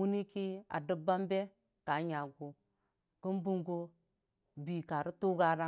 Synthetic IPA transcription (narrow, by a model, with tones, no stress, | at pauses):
wu˦ni˦ki˦a̰˨də˦ba˦mbe˦ | ka˨˦ɲa˨ɡu˨ | ki˦nbu˦ŋɡo˦ | bi˨ka˨ɾi˦tu˦ɡa˦ɾa˦